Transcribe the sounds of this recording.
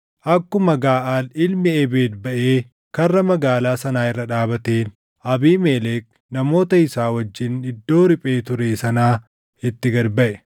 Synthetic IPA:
ʔɐkːʊmɐɡaːʔaːlɪlmɪebeːd̪bɐʔeː | kɐrːɐmɐɡaːlaːsɐnaːɪrːɐᶑaːbɐt̪eːn | ʔɐbiːmeːleːk | nɐmo̞ːt̪ɐɪsaːwɐd͡ʒːɪnɪd̪ːo̞ːɾɪpʼeːt̪ʊɾeːsɐnaː | ɪt̪ːɪɡɐɾbɐʔɛ

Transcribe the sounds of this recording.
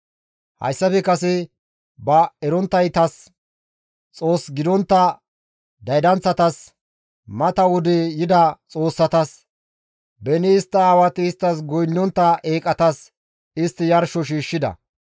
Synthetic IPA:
hɐ̰jsːɐfɛkɐsɛ | bɐɛɾɔnt̪ːɐjt̪ɐs | t͡sʼo̞ːsɡɪd̪ɔnt̪ːɐ | d̪ɐjd̪ɐnt͡sːɐt̪ɐs | mɐt̪ɐwʊd̪ɛjɪd̪ɐt͡sʼo̞ːsːɐt̪ɐs | bɛnɪːst̪ːɐːwɐt̪ɪːst̪ːɐsɡɔjnːɔnt̪ːɐʔeːkʼɐt̪ɐs | ɪst̪ːɪjɐɾʃɔʃ̬iːʃːɪd̪ɐ̰

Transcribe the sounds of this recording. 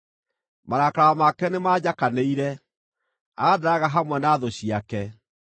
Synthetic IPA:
maɾakaɾamakɛnemad͡ʑakaneiɾɛ | aɣadaɾaɣaɦamwɛnaːðoɕiakɛ

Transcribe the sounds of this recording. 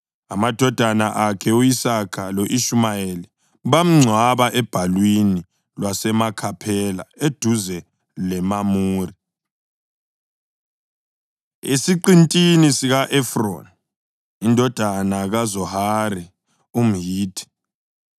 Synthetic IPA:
amad̥ʱɔd̥ʱanaʔakʰɛujisakʰaloʔiʃumajeli | βam̩ŋ͡ǀʱwaβaʔɛb̥ʱalwini | lwasɛmakʰapʰɛla̰ed̥ʱuzɛ | lɛmamuːri | ḛsiǀintʼinisiɣaʔɛfro̰n | indʱɔd̥ʱanaɣazɔhaɾi | um̩ɦiːtʰi̥

